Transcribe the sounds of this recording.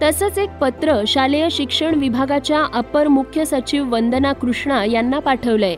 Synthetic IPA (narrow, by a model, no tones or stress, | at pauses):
t̪əsət͡sek̚pət̪ɾəɕalejəɕikʂəɳʋibʱaɡat͡ɕjaʔəpəɾmukʰjəsət͡ɕiʋʋənd̪ənakɾuʂɳajanːapaʈʰəʋləj